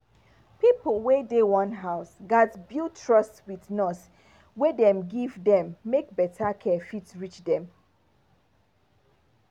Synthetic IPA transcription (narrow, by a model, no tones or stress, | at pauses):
pipl̩ˠwedewɔ̃nɦaʊsɡatbiltʰɹɔstwiθnɔs | wɛdɛ̃mɡivdɛ̃mːek̚bɛtʰakʰɛfitɹit͡ʃdɛ̃m